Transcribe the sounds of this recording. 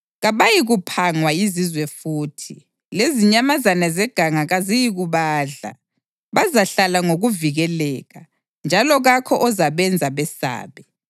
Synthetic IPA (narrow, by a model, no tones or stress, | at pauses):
ɣaβajiɣupʰaŋwaizizwɛfuːtʰi | leziɲamazanazɛɡ̥ʱaŋaɣazijiɣuβaːɮa̰ | βazaɬalaŋoɣuviɣɛlɛːɣa | nd͡ʒʱalɔɣakʰɔʔɔzaβɛnd͡zʱaβɛsa̰ːβɛ